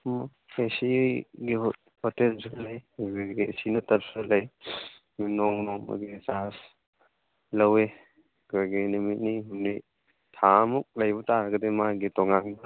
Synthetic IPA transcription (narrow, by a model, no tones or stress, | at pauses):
m | esiɡiɦ | hotelslɐjɡɡisinɐtɐp̚sɯlɐj | minɔŋnɔmɐ̰ɡisas | lɐwe | kɾoɡinumit̚niɦumni | tʰamuk̚lɐjbɔtaɾɐɡɐdemaɡitɔŋaŋbɐ